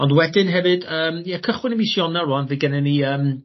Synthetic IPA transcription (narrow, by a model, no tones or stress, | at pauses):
ɔndwɛdɨnɦɛvɨdəːmjɛkʰəχwɪnəmisjɔnɛranvɨɡɛnɛniəːm